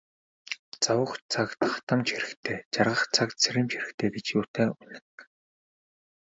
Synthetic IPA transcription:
t͡sawə̆xt͡sʰakt̪χḁt̪ə̆mt͡ɕʰiɾɘ̆xt̪ʰeːt͡ɕarʁə̆χt͡sʰakt͡sʰeɾʲɘ̆mt͡ɕxiɾɘ̆xt̪ʰeːɡet͡ɕjʊːt̪eːunɘ̆ŋk

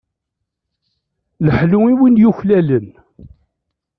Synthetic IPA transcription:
ləħluŋiwinjuçlælən

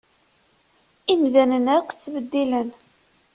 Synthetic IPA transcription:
imðænənækʷːt͡sːvəd̪ːilən

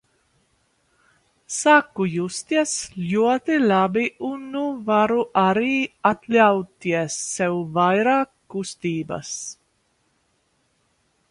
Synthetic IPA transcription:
sakːujust̪iɛslʲuɔt̪ilabiunːuvaɾuʔaɾiːat̪lʲawt̪iɛsːɛwvajɾaːkːust̪iːba̰s

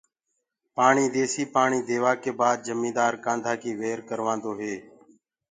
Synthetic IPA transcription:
paːɳiːd̪eːsiːpaːɳiːd̪eːʋaːkeːbaːd̪̚d͡ʒəmĩːd̪aːɾkãːnd̪ʱaːkiːʋeːɾkəɾʋãːnd̪oːɦeː

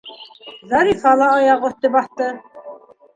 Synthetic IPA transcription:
zɑɾifɑlˠɑːjɑʁŏht̪ɘbɑθt̪ɤ

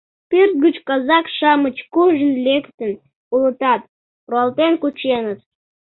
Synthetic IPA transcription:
pyrt̪̚ɡət͡ɕkɑzɑkʃɑmət͡ɕkuʒənlekt̪ən | ulə̆t̪ɑt̪̚ | proɑlt̪enkut͡ɕenət̪

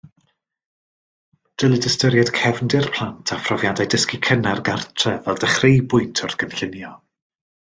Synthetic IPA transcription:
d̥əlˠɪdəstəɾjɛd̥kʰɛvndɪrpʰl̥ˠantʰafrɔvjadajdəskikʰənarɡartʰrɛvɛlˠdəχrejbʊɨntʰɔrθɡ̥ənɬɪnjɔ

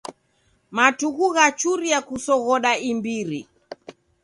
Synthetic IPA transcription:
matuɣuɣat͡ʃuɾijakusɔɣɔɗaimbiɾi

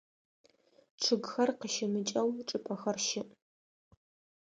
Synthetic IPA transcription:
ʈ͡ʂʰɨɡxɐrqəʃɪmɨt͡ʃʼɐwʈ͡ʂʼɨpʼɐxɐrʃɪʔ

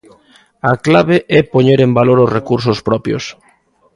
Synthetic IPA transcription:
aklaβeʔɛpoɲeɾembaloɾozrekuɾsospɾɔpjo̰s

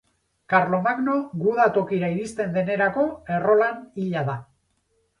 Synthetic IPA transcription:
kaɾlo̞maɡno̞ɣuð̞at̪o̞kiɾaiɾist̪e̞nd̪e̞ne̞ɾako̞e̞ro̞laniʎaða

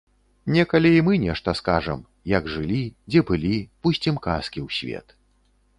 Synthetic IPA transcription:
nʲɛkɐlʲɛimɨnʲɛʂt̪ɐskaʐɐ̰m | jɐɡʐɨlʲid͡zʲɛbɨlʲipusʲt͡sʲimka̰skʲiwsʲvʲɛ̰t̪

